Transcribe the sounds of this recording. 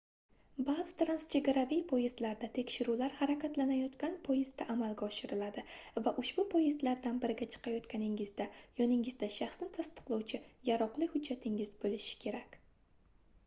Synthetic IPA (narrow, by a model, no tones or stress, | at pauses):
bazɪt̪ɾanst͡ʃʰe̞ɡʲaɾavijpʰojɪzlaɾd̪at̪ʰe̞kʲʃɪɾulaɾhaɾakʲat̪lanajɒt̪kʲanpʰojɪzd̪aʔamalɡʲaɒʃɪɾɪlad̪ɪvaʔʊʃbʊpʰojɪzlaɾd̪anbɪɾɪɡʲat͡ʃʰɨ̥qʰɑjɒt̪kʲanɪŋɪzd̪ajɒnɪŋɪzd̪aʃaχsnɪt̪ʰast̪ɨ̥qlˠɒwt͡ʃʰɪjaɾɒqlˠɪhʊd͡ʒːat̪ʰɪŋɪzbolɪʃɪ̥kʲʰe̞ɾakʲ